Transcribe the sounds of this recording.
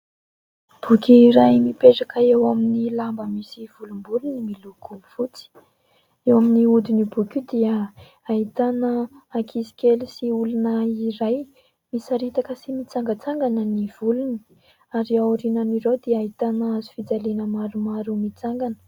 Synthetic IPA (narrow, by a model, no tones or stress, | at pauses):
b̥ukʲiːɾajmipeʈ͡ʂakəewaminilambəmisiv̥ulumbulunimilukumifut͡si̥ | ewaminiud̪inibukʲid̪iə | aɦit̪anəːkʰisi̥kʲelisiulunəiɾaj | misaɾit̪akəsimit͡saŋɡət͡saŋɡanəniv̥uluni̥ | aɾiauɾinanirewd̪eaɦit̪anəazu̥fid͡zalenəmaɾumaɾumit͡saŋɡanə̥